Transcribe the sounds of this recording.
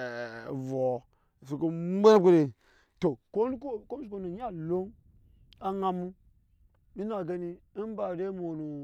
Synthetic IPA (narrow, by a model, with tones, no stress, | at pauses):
vo˨ | s̬u˨ko˦e˦n˦ke˦ɾe˨ | to˨ko˦n˦ko˦ko˦mi˦ko˦˨no˨˦ɲa˦lo˦n | a˦ŋa˨mu˦ | mi˦na˨ɡe˦ni˦n˦ba˨ɾe˦mo˨nu˨